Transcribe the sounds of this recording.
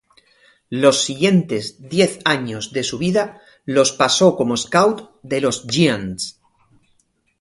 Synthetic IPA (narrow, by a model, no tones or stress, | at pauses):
lo̞sːiɣje̞nt̪e̞zðje̞θaɲo̞zðe̞suβ̞iða | lo̞spaso̞ko̞moeskawt̪ | d̪e̞lo̞zʝians